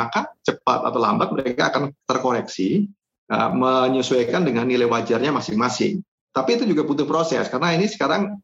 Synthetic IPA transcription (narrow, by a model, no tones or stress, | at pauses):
akat͡ʃəpa̰t̪a̰t̪awla̰mbak̪̚məɾekaːkant̪ərkoɾɛksi | ə̰məɲəsuajkandəŋanːilajwad͡ʒarɲamasɪŋmasɪ̰ŋ | t̪apiːt̪ud͡ʒuɡaput̪ʊhpɾosɛ̰skaɾənainisə̥kaɾaŋ